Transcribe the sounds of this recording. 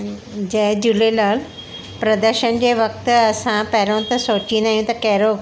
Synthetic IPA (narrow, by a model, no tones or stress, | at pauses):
d͡ʑɐ̃ɦd͡ʑulelaːl | pɾɐd̪əɾʃənd͡ʑeːʋɐk̚t̪ɐsãpɐɦɪɾõt̪ɐsoːt͡ɕĩnaːɦijũt̪ɐkɐɦɪɾo